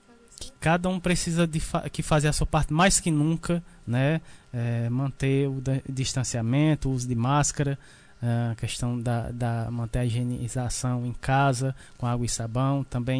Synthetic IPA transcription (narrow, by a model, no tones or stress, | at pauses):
kɪ̥kad̪ɐũpɾesizɐd̪ɪfa̰kɪfazeɐsuɐpaɾt̪ɪmajskɪnũkɐnɛɛmɐ̃t̪eʊd̪d̪iʃt̪ɐ̃siamẽt̪ʊuzʊd̪ɪmaskɐɾɐ | ɛakɛʃt̪ɐ̃w̃d̪ɐd̪ɐmɐ̃nt̪eɾɐiʒenizasɐ̃w̃ẽj̃kazɐkõaɡwɐɪsabɐ̃w̃t̪ɐ̃mbẽj̃